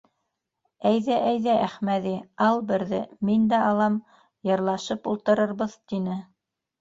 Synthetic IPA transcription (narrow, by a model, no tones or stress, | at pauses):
æjðæʔæjðæʔæχmæðiɑlˠbɘ̆ɾðɘmind̪æɑlˠɑm | jɤ̆ɾlˠɑʃɤpulˠt̪ɤ̆ɾɤ̆ɾβɤðt̪inɘ